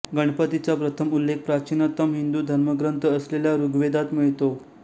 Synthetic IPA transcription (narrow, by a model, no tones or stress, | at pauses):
ɡəɳ̃pət̪it͡sapɾət̪ʰəmulːek̚pɾat͡ɕinət̪əmɦind̪uːd̪ʱəɾməɡɾənt̪əːsleljaɾuɡʋed̪at̪məɦit̪o